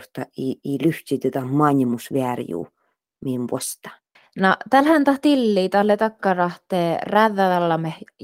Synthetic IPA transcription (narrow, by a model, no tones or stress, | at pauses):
st̪ɑ̰iiːlyht̪ʲit̪uæt̪æmɑnʲimusʋeærjṵː | miːmʋo̰sʲt̪ɑ̥ | nɑt̪ælhænt̪ɑht̪ilːiːt̪ɑhlet̪ɑkːɑrɑht̪eːræðːæðɑlːɑmeh